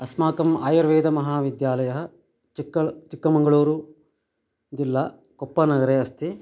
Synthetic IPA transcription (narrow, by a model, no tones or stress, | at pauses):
ɐsmaːkɐmaːjɐɾʋeːd̪ɐmɐɦaːʋid̪jaːlɐjɐɦɐ | t͡ʃiɐt͡ʃikːɐmɐŋɡɐɭoːɾu | d͡ʒilːɐ | kɔpːɐnɐɡɐɾeːɐst̪ʰi